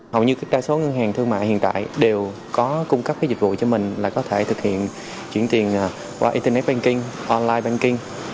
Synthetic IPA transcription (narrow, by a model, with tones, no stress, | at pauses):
hə˨˩wɲɨ˧kaː˦˥k̚ɗaː˧jso˨˦ŋə˧ŋɦaː˨˩ŋt̪ʰɨ˧ŋma̰ː˧˨hḭ˧˨nt̪a̰ː˧˨jɗe˨˩w | kɔ˨˦kʊ˧ŋ͡mkə˦˥p̚və˨˦zi˨˩k̟̚vṵ˧˨t͡ɕɔ˧mï˨˩ŋ̟laː˨˩kɔ˨˦t̪ʰe˧˩t̪ʰɨ˨˩k̚hḭ˧˨ən | t͡ɕwi˧˩ənt̪i˨˩ən˨˩ | kwaː˧ʔi˧nt̪ə˧nɛ˦˥t̚ɓa˧nkï˧ŋʔɔ˧nlaː˧jɓa˧nkï˧ŋ